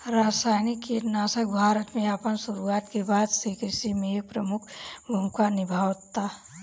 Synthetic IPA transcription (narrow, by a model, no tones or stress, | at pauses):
ɾasajnikːenaːsək̚bʱaːɾət̪mẽəpənsuɾuaːt̪kebaːd̪sekɪsimẽepɾəmʊkʰbʱumkanɪbʱaːwt̪a